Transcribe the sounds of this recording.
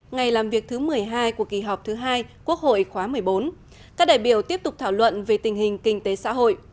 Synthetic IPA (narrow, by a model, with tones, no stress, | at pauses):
ŋa˨˩jlaː˨˩mvi˨˩ək̚t̪ʰɨ˨˦mɨ˨˩əjɦaː˧jku˧˩əki˧˩ɦɔ˨˩wk͡p̚t̪ʰɨ˨˦ɦaː˧jku˦˥ək̚ho̰˧˨jxwaː˨˦mɨ˨˩əjɓo˨˦n | kaː˦˥k̚ɗa̰ː˧˨jɓi˧˩əwt̪i˦˥əp̚t̪ʊ˨˩k͡p̚t̪ʰaː˧˩wlwə̰˧˨nve˨˩t̪ï˨˩ŋ̟ɦï˨˩ŋ̟kï˧ŋ̟t̪e˨˦sa̰ː˧˥ɦo̰˧˨jʔ